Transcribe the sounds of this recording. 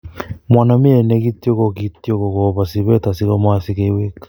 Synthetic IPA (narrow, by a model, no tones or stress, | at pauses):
mwanamieneɣitjoɣokitjoɣoɣoβasiβɛtasiɣomasiɣeiwekḁ